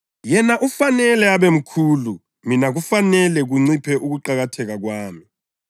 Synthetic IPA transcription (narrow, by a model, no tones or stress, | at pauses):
jɛnaʔufanɛlɛaβem̩kʰuːlu | minaɣufanɛlɛɣuŋ͡ǀipʰɛʔuɣuǃaɣatʰɛɣaɣwaːmi